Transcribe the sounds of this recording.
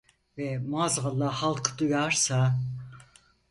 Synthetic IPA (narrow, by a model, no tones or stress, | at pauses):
vɛmɑːzʁɑlˠːɑhɑlˠqʰɯ̥d̪ujɑɾsɑ